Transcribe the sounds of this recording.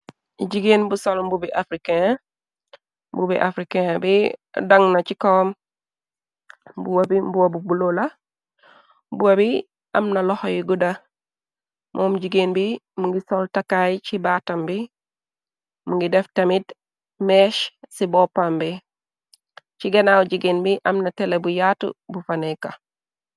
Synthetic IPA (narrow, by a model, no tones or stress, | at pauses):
ɟiɡeːnbusolmbubiʔafɾike | mbubḭʔa̰fɾikebidɐŋnɐt͡ʃikowm | buwabimbuwabubulola | buwabi | ʔɐmnalohjiɡudɐ | mʔomɟiɡenbimuŋɡisoltakajit͡ʃibatɐmbi | muŋɡideftɐmit | meʃsibopambi | t͡ʃiɡanawɟiɡenbiʔɐmnatelebujatṵbufaneka